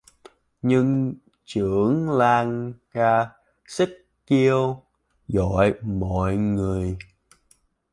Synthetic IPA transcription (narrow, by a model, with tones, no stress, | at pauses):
ɲɨ˧ŋ | t͡ɕɨ˧˩˨əŋlaː˧ŋkaː˧ | si˦˥k̚ | t͡ɕi˧əw | zɔ̰˧˨jmɔ̰˧˨jŋɨ˨˩əj